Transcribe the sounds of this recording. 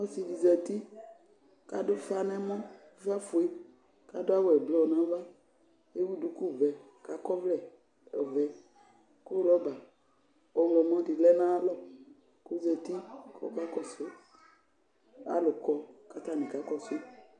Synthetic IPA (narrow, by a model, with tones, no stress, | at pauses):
ɔ˦si˨vi˨zɛ˨t̪i˦ | ka˦do˦fa˦nɛ̃˦mɔ̃˦ | fa˦fo˨e˦ | ka˨do˦a˦wɛ˨blɔ˦˨nã˨˦va˦ | e˦wu˦du˨ku˦˨vɛ˨ | ka˨kɔ˦vlɛ˨ | ɔ˨vɛ˨ | ko˦lɔ˦ba˨ | o˨˦wlɔ˨mɔ̃˦di˨lɛ˦nã˦a˦lɔ˦ | ko˦zɛ˨t̪i˦kɔ̰˦ka˦kɔ˦so˦ | a̰˨lo˨kɔ˨ka˨t̪a˦˨nẽ˨ka˦kɔ˦so˦